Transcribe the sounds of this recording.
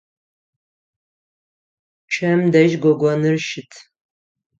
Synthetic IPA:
t͡ʃʰɐmdɐʒɡʷɔɡʷɔnɨrʃɪtʰ

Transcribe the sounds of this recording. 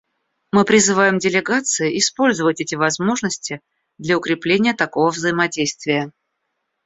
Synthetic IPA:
mɨpɾʲɪzɨvajɪmdʲɪlʲɪɡat̪sɨɪʔɪspo̞lʲzəvətʲɛtʲɪvɐzmo̞ʐnəsʲtʲɪ | d̪lʲɐʊkɾʲɪplʲenʲɪjət̪ɐko̞vəvzəɪmɐdʲejst̪vʲɪjə

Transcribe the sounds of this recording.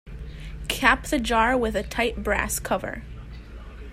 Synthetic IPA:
kʰæpðɨd͡ʒɑɹwɪðɨtʰaɪt̚b̥ɹæ̰skʰʌvə̰˞

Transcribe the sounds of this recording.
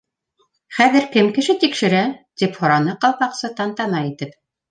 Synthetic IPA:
χæðɘ̆ɾkɘmkɘ̆ʃɘt̪ikʃɘ̆ɾæt̪iphŏɾɑnɤqɑlˠpɑqsɤt̪ɑnt̪ɑmɑjit̪ɘp

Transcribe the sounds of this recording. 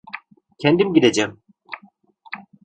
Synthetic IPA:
cʰɛnd̪imɟid̪ed͡ʒɛm

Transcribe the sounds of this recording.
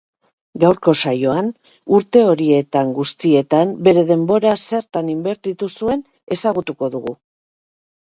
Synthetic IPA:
ɡawɾko̞sajo̞an | uɾt̪e̞o̞ɾie̞t̪aŋɡust̪ie̞t̪ambe̞ɾe̞ð̞e̞mbo̞ɾase̞ɾt̪animbe̞ɾt̪it̪usue̞n | e̞saɣ̞ut̪uko̞ðuɣu

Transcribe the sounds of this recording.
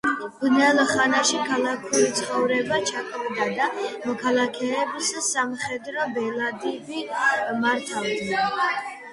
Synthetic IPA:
bnɛlˠχanaʃikʰalˠakʰulit̪sʰχɔvɾɛbat͡ʃʰakʼvd̪ad̪amɔkʰalˠakʰɛːbissamχɛd̪ɾɔbɛlˠad̪ivimaɾt̪ʰavd̪nɛ

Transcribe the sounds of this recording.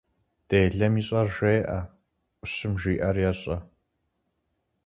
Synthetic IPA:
d̥eːɮɐmiːɕʼɐrʒeːʔɐ | ʔʷʼʊɕɨmʒiːʔɐrjɛɕʼɐ

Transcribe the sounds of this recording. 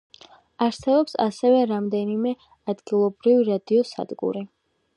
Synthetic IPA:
aɾsɛbɔpsa̰sɛvɛɾamd̪ɛnimɛ | ad̪ɡilˠɔbɾiviɾad̪iɔsa̰d̪ɡṵɾi

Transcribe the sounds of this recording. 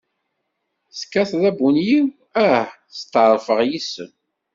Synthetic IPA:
skːæθðæbunjiw | æh | st̪ːʕəɾˤfəʁjisəm

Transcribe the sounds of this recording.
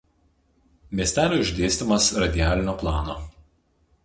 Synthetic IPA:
mʲiɛsʲt̪ʲæːlʲoːɪʒʲd̪ʲeːsʲt̪ʲɪmɐsɾɐd̪ʲɪjæːlʲɪnʲoːplˠɑːno̰ː

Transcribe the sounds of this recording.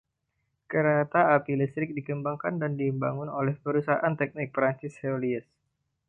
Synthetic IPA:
kəɾat̪aːpilist̪ɾɪk̚dikəmbaŋkandandiəmba̰ŋʊnolɛhpəɾusaaʔant̪ɛk̚nɪk̚pɾant͡ʃɪsheoliəs

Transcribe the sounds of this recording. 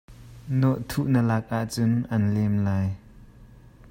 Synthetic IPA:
nɔʔt̪ʰuʔnəlak̚ʔaʔt͡sʊnʔɐnlɛmlaːj

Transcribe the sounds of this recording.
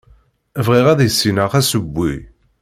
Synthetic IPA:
vʁiʁæðjəsːinəʁæsəbːi

